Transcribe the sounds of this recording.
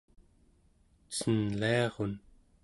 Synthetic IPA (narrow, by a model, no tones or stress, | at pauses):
t͡sənleɑʁon